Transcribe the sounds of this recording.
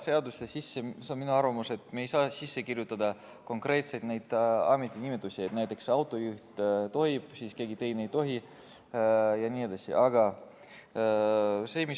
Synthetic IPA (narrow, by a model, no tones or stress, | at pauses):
se̞ɑd̪ust̪esisːeseonminuɑɾvɑmuse̞t̪ːˑmejsɑːsisːekirjut̪ːˑɑd̪ɑ | ko̞ŋkre̞ːt̪se̞jd̪̥nejd̪ɑ̰ːmet̪ʲːˑinimet̪ˑːusiet̪næjt̪ːˑekseɑwt̪ˑo̞juht̪t̪o̞ɦib̥siːske̞ːɡit̪e̞jnejt̪o̞ɦi | jɑnʲiːed̪̥ɑsḭʔɑɡ̥ɑ | se̞ːmis